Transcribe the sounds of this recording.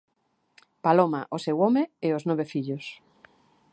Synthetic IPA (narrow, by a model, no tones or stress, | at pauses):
paloma̰ʔosewɔmeeoznoβefiʎos